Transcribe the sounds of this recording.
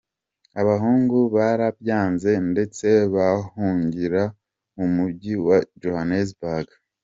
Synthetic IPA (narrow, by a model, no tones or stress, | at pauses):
aβaɦuːŋɡuβaɾabjaːnze̞nde̞t͡se̞βahuːɲɟiɾa | umubɟiwad͡ʒohanezbaɡ